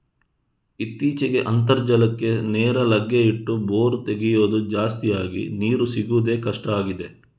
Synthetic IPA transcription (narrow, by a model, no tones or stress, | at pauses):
it̪ːiːt͡ʃɛɡe̞ʔɐnt̪̬ɐɾd͡ʒɐlɐkːe̞neːɾɐlɐɡjɐiʈːuboːɾut̪e̞ɡijoːd̪ud͡ʒaːst̪ijaːɡḭniːɾusiɡud̪e̞ːkɐʂʈɐaːɡid̪e̞